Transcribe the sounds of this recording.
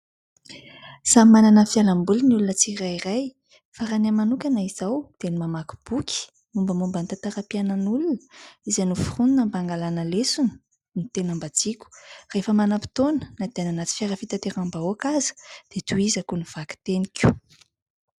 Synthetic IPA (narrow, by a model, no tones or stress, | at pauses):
samimananəfjalambulinulunət͡sirairaj | faɾanamanukʲanaiz̥awd̪̥enimamaku̥b̥ukʲi̥ | mumbəmumbant̪at̪aɾapianənulunə̥izanufuruninəmbaŋɡalanəlesunə̥ | nit̪enambad͡zikʲu̥refəmanapi̥t̪onə̥nad̪eananat͡si̥fʲaɾəfit̪at̪eɾambaoakazə̥d̪̥et̪uizakuniv̥aki̥t̪enikʲu̥